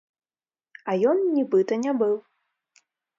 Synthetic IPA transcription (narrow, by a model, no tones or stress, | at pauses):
ɐjɔnnʲibɨt̪ɐnʲabɨw